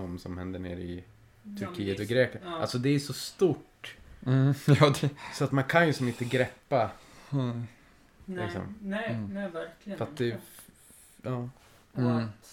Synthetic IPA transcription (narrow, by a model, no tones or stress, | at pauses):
ɔmsɔmhɛnd̪əɳḛːɾɪ | t̪ʰɵɾkʰiːət̪ɔɡɾeːklana̰lsɔd̪ɛːʂɔst̪uʈ̩ː | jɑd̪ɛsɔat̪mankʰanjɵsɔmɪnt̪əɡɾɛpːa | sɛ̰ | faast̪̚d̪ɛ | ɑː